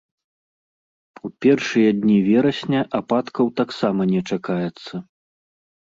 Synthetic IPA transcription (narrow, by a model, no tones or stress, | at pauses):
upʲɛrʂɨjɐd̪ʲnʲivʲɛɾɐsʲnʲɐʔapat̪kɐwt̪aksamɐnʲɛt͡ʂakajɛt̪sːɐ